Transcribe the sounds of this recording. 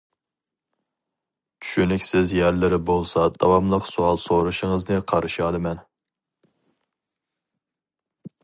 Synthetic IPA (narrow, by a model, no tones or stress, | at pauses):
t͡ʃʰy̥ʃynykʲsɪzjæɾlɪɾɪbolˠsɑd̪̥ɑwɑmlˠəqsuɑlˠsoɾuʃɪŋəznɨqʰɑɾʔɨʃiɑlˠɨmɛn